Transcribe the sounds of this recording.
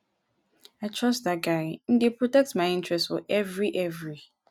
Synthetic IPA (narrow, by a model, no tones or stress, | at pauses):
aɪtʰɹɔstdaɡaɪn̩dɪpʰɹotɛk̚tmãɪɪ̃ntʰɹɛstfɔ̰ʔɛvɹiʔɛvɹi